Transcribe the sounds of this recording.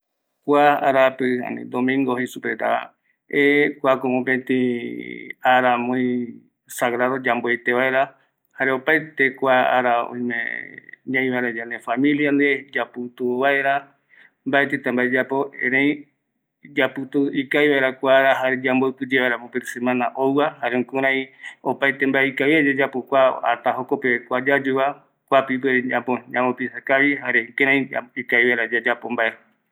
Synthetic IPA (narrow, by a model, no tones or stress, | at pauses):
kʷaaɾapɨã̰nḭ̃d̪omĩŋɡohisupɾet̪a̰a̰ | ekʷakomõpẽt̪ĩ | aɾamõĩ | saɣɾaðod͡ʒamboet̪eβaeɾa | haɾeopajt̪ekʷaa̰ɾaõ̰ĩmḛ̃ɲãj̃βaeɾad͡ʒanefamĩljand̪ed͡ʒapɨt̪uβaeɾa | mbaet̪et̪ambaed͡ʒapoḛ̃ɾ̃ãj̃ | d͡ʒapɨt̪uikajβaeɾakʷaɾaɦaɾed͡ʒambopɨd͡ʒeβaeɾapopeɾesemãnaʔowwahaɾeõkũɾ̃ãĩopajt̪embaeikaiad͡ʒad͡ʒapokʷaa̰t̪aɦokopekʷad͡ʒad͡ʒuβa | kʷapip̬eɾãpoɲãmopisakaβihaɾekeɾãj̃aikajβaeɾad͡ʒad͡ʒapombaeɾa